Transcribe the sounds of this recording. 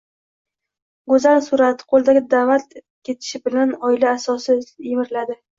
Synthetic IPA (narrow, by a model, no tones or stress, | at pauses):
ɡozansuɾat̪qʰolˠd̪aɡʲɪd̪avat̪ | kʲʰe̞t̪ʰɪ̥ʃɪbɪlanɒɪlaːsɒsɪjɪmɪɾlad̪ɪ